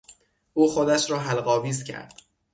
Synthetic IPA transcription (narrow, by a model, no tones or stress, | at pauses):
ʔuːxod̪æʃɾɒːɦælɢɒːviːzcʲʰæ̰ɾd̪̥